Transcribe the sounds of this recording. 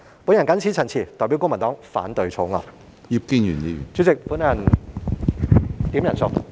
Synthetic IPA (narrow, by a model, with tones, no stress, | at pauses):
pu˨˧˥njɐ˨˩nkɐ˨˥nt͡sʰi˨˥t͡sʰɐ˨˩nt͡sʰiː˨˩t̪ɔː˨˩jpi˨˥wkʊ˥ŋmɐ˨˩nt̪ɔː˨˥ŋfaː˨˥nt̪ɵ˧ɥt͡sʰo˨˥wŋɔ̰ː˨˩ | ji˧p̚ki˧ŋy̰ː˨˩njiː˧jy̰˨˩nt͡syː˨˥t͡sɪ˨k̚fuː˨˥nːɐ˨˩n | t̪iː˨˥mjɐ˨˩nsʊ˨˧k